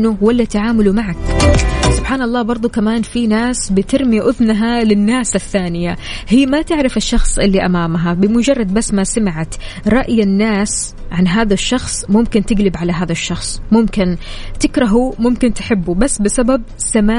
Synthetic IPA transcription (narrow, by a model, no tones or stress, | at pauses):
nʊwalːat̪aʕaːmalumaʕaksʊb̥ħaːnɑlˤːɑːbɑɾˤd̪ˤukamaːnfinaːsbɪt̪ɪɾmɪjaʔʊðnaɦalɪnːaːsɪθːaːnɪjahiːmat̪ɪʕɾɪfɪʃːɑxsˤʔɪlːiʔamaːmɦabɪmʊd͡ʒɑrˤːɑd̪̚basːmasamɪʕat̪ | ɾˤɑʔjanːaːs | ʕanɦaːðaʃːɑxsˤmʊmkɪnt̪ɪɡlɪbʕalaɦaːðaʃːɑxsˤmʊmkɪnt̪ɪkɾˤɑɦumʊmkɪnt̪ɪħɪbːubasːbɪsabab̚ | samaː